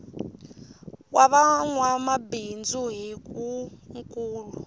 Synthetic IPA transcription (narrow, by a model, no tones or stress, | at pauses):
waɓaŋwamabind͡zuɦik̬ʼuŋkʼuːlu